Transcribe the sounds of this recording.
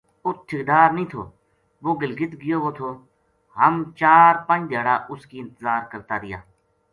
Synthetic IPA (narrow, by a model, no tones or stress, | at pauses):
ʊt̪̚ʰːɪkd̪aːɾnĩːt̪ʰo̰ː | ʋoːɡəlɡɪt̪ɡɪjoːʋoːt̪ʰoː | ɦəmt͡ʃaːɾpə̃nd͡ʒd̪ʱjaːɽaːʔʊskiːɪ̃nt̪əzaːɾkəɾt̪aːɾɪja̰ː